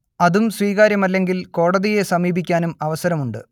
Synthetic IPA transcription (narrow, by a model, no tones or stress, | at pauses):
ɐðumsʋiːɣaːɾjɐmɐlːe̞ŋɡilko̞ːɽɐðije̞sɐmiːbikʲːaːnumɐʋɐsɐɾɐmuɳɖɨ̰